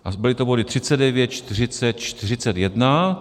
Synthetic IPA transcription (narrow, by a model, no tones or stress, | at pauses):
ʔabɪlɪt̪obodɪt̪r̥ɪt͡sɛdɛvjɛt̪̚t͡ʃt̪ɪr̝ɪt͡sɛt̪t͡ʃt̪ɪrɪt͡sɛt̪jɛdna